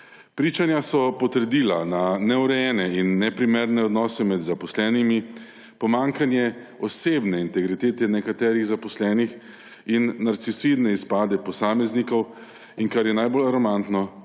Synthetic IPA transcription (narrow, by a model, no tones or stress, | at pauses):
pɾiːt͡ʃanjasɔpɔt̪əɾd̪iːlananɛuɾɛjɛnɛinːɛpɾimɛɾnɛɔd̪nɔːsɛmɛd̪zapɔslɛːnimi | pɔmaŋkanjɛɔseːbnɛint̪ɛɡɾit̪eːt̪ɛnɛkat̪ɛːɾiɣzapɔslɛːnix | inːaɾt̪sisid̪nɛispaːd̪ɛpɔsaːmɛznikɔw | iŋkaɾjɛnajbolaɾɔmant̪nɔ